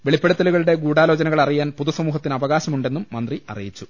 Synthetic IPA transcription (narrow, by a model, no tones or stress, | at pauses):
ʋe̞ɭipːe̞ɽɐt̪ːɐluɣɐɭuɽe̞ɡuːɽaːlo̞ːd͡ʑɐnɐɣɐɭɐrijaːnpuðɐsɐmuːɦɐt̪ːinɐʋɐɣaːɕɐmuɳɖe̞nːumːɐnd̪riɐ̰rijit͡ɕːu